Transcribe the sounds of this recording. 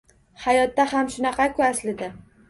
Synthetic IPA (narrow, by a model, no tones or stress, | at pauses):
hajɒt̪̚ːahamʃʊnɑqʰɑkʰʊaslɪd̪ɪ